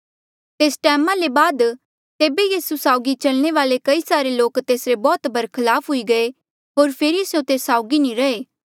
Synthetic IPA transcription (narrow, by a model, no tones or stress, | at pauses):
t̪eːsʈɛːmãlebaːd̪ | t̪eːbejiːsusaːʊɡit͡ʃɐlñeʋaːlekɐisaːɾeloːkt̪eːsɾebɔːt̪bʱɐɾkʰɐlaːpʰɦʊiɡɐe | ɦoːɾpʰeːɾiɐsjõt̪eːsːaːʊɡinĩɾɐeː